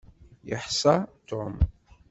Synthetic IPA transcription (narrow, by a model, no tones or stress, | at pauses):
jə̰ħsɑt̪om